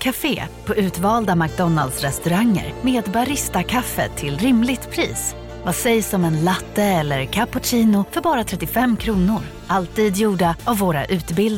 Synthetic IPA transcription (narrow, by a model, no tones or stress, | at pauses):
kʰafḛːpʰɔʔʉ̟ːt̪vɑːld̪amak̚d̪ɔna̰ld̪sɾɛst̪ɵɾaŋːə̰ɾmeːd̪baɾɪst̪akʰafːə̰t̪ʰɪlɾɪmlɪɡ̚t̪pʰɾiːs | vasɛjsɔmɛnlat̪ːəɛlːəɾkʰapʊt͡ʃiːnʊfœɾbɑːɾat̪ʰɾɛt̪ːɪfɛmːkʰɾuːnʊɾ | ʔalt̪iːd̪juːɖaavːoːɾa̰ʔʉ̟ːt̪bɪl